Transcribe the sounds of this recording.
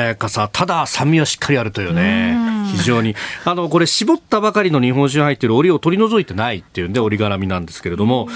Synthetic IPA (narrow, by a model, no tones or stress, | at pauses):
ekasat̪ʰad̪asãmːʲiβaɕi̥kʰːaɾʲiaɾɯ̟t̪o̞jɯ̟ːneçiʑo̞ːɲ̟iano̞ko̞ɾe̞ɕibo̞t̪ːabakaɾʲino̞ɲ̟iɦõ̞ɕ̬ĩhait̪ːeɾɯo̞ɾʲio̞t̪o̞ɾʲino̞zo̞it̪e̞nait̪ːejɯ̟̃nd̪e̞o̞ɾʲiɡaɾamʲinãnd̪e̞sɨ̥ke̞ɾe̞d̪o̞mo̞